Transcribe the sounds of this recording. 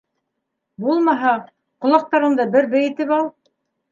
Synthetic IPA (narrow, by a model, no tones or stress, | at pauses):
bulˠmɑɦɑ | qŏlˠɑq̚t̪ɑɾɤnd̪ɑbɘɾbæjĭt̪ɘpɑlˠ